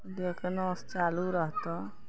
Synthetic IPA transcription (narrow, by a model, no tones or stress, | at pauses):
d̪eːkʰnɔ̃st͡ʃaːluɾəɦt̪õː